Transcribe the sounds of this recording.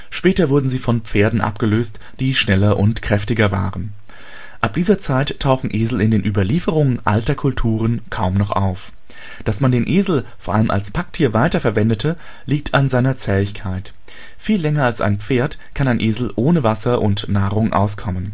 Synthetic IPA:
ʃpɛːtɐvʊɐdn̩ziːfɔnpp͡feːɐdn̩ʔa̰pɡ̥əløːst | d̥iːʃnɛlɐʔʊntkʁ̥ɛftɪɡɐva̰ːʁən | ʔap̚d̥iːzɐt͡saɪtʰːaʊxn̩ʔeːzl̩ɪndeːnʔyːbɐliːfəʁ̞ʊŋənʔa̰ltɐkʰʊltʰuːʁ̞ənkʰaʊmnɔχʔa̰ʊf | d̥asmandeːnʔeːzl̩foːɐʔaləmʔa̰lspʰak̚tʰiːɐvaɪtɐfɛɐvɛndətʰə | liːk̚tʰanzaɪnɐt͡sɛːɪçkʰaɪt | fiːlːɛŋɐalsa̰ɪnpp͡feːɐt | kʰanaɪnʔeːzl̩ʔoːnəvasɐʔʊntnaːʁʊŋʔa̰ʊskʰɔmən

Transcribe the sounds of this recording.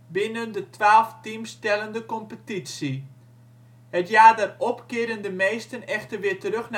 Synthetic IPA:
bɪnəndətʋaːlˠftimstɛlˠəndəkɔmpətitsi | hətjaːdərɔpkɪədəndəmejstənɛxtərʋɪəɹtəɾøxna

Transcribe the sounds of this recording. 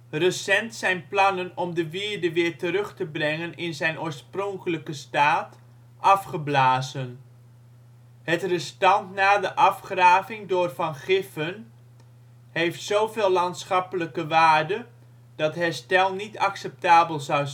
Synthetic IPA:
rəsɛntsɛjnplɑnənɔmdəʋɪɹdəʋɪːɹtərɵχtəbrɛŋənɪnzɛjnʔoːɹsprɔŋkələkəstaːt | ʔɑfχəblaːzən | ɦətrəstɑntnaːdəʔɑfχraːvɪŋdʊːrvɑnχɪfən | ɦejftsowveːlːɑntsχɑpələkəʋaːɹdə | d̥ɑtɦɛstɛlˠnitɑksɛp̚taːbəlˠzɑw

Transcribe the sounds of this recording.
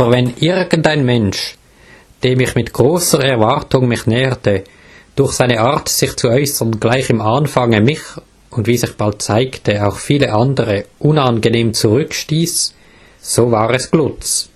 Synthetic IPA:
abəʁvɛnʔɪʁɡəntaɪnmɛnʃ | d̥eːɐmɪçmɪtɡ̥ʁoːsəʁɛʁvaʁtʊŋmɪxnɛːətə | d̥ʊɐxsaɪnəaʁtsɪxt͡suɔʏsəʁnɡlaɪçɪmaːnfaŋəmɪx | ʊndv̥iːsɪxb̥alt̚t͡saɪktʰəaʊxfiːləʔandəʁəʔʊnanɡəneːmt͡suʁʏkʃtiːs | z̥oːvaːʁɛsɡ̥lʊt͡s

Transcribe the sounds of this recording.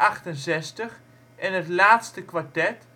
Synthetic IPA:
ɑχtənsɛstəχ | ɛnətlaːtstəkʋaɹtɛt

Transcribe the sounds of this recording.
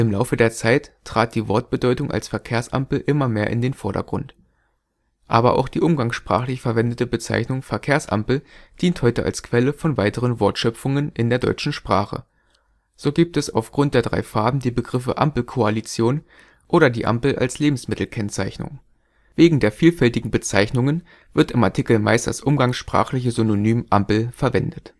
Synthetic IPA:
ʔɪmlaʊfədeːɐt͡saɪt | ʁ̥aːt̚d̥iːvɔɐt̚b̥ədɔʏtʊŋʔa̰lsfɛɐkʰeːɐsʔa̰mpl̩ʔɪmɐmeːɐʔɪ̰ndeːnfɔɐɾɐ̰ɡ̥ʁʊ̰nt | ʔaːbɐʔa̰ʊxd̥iːʔʊmɡaŋsʃpʁ̥a̰ːχlɪçfɛɐvɛndətəbət͡sa̰ɪçnʊŋfɛɐkʰeːɐsʔa̰mpl̩d̥iːnthɔʏtəʔa̰lskv̥ɛləfɔnvaɪtəʁ̞ənvɔɐtʃœpp͡fʊŋənʔɪndeːɐdɔ̰ʏt͡ʃn̩ʃpʁ̥aːχə̰ | z̥oːɡiːp̚tɛsa̰ʊfɡ̥ʁʊntd̥eːɐdʁa̰ɪfaɐbm̩diːbəɡʁɪfəʔa̰mpl̩kʰoalit͡sjoːn | ʔoːɾɐdiːʔa̰mpl̩ʔa̰lsleːbm̩smɪtl̩kʰɛnt͡saɪçnʊ̰ŋ | veːɡŋ̩deːɐfiːlfɛltɪɡŋ̩bət͡saɪçnʊŋən | v̥ɪɐtɪmaɐtʰikl̩ma̰ɪstd̥a̰sʔʊmɡaŋsʃpʁ̥a̰ːχlɪçəzynonyːmʔampl̩fɛɐvɛndət

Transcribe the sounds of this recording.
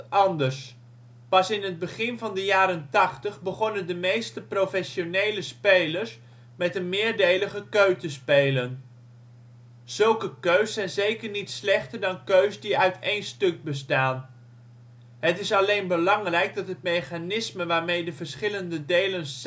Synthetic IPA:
ɑndəɹs | pɑsɪnɦəd̚bəχɪnvɑndəjaːɾəntɑχtəχbəχɔnəndəmejstəprofɛʃonejləspejləɹs | mɛtənmɪːɹdejləχəkøɥtəspejlən | z̥ɵlˠkəkøɥssɛjnzejkəɹnitslɛχtəɹdɑnkøɥsdiœɥtejnstɵɡ̚bəstaːn | ɦətɪsɑlejnbəlɑŋrɛjɡ̚dɑtɦət̚mejχanɪsməʋaːɹmejdəvəɹsχɪləndədejlən

